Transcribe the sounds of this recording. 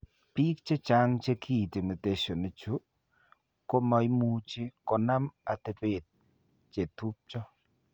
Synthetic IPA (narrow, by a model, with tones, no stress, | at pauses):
piː˦k̚t͡ʃe˦t͡ʃa˦ŋt͡ʃe˦kʰi˦˨ti˨ne˨te˨ʃo˨ne˨t͡ʃu˦ | ko˦mɔ˨jmu˦t͡ʃi˦ko˨na˦ma˨te˨pe˨t̚ | t͡ʃe˨tu˦p̚t͡ʃɔ˦